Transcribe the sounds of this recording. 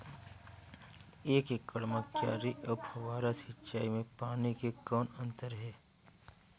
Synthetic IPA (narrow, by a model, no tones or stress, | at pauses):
eːkekːəɽmakja̰ːɾiʔɐphɐʋaːɾasit͡ʃaːimẽpaːnikekɔːnə̃nt̪əɾɦɛː